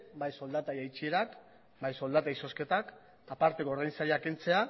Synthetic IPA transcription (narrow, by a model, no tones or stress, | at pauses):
bajso̞ld̪at̪ajajt͡ʃieɾak | bajso̞ld̪at̪aiso̞ske̞t̪ak | apaɾt̪e̞koɾðajnsaɾiakent͡se̞a